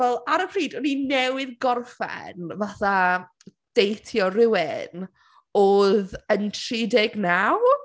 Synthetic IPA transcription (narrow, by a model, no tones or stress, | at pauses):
vɛlˠaɾəpʰriːdɔninɛwɪðɡɔrfɛ̰nvaθa | d̥ejtʰjɔrɪwɪn | oːðəntʰridɛɡnaw